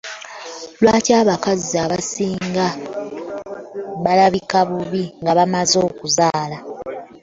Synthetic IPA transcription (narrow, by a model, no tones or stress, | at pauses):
lwaːtaːβakaziaβasiːŋɡa | βalaβikaβuβiŋɡaβamazo̞ːkuzaːla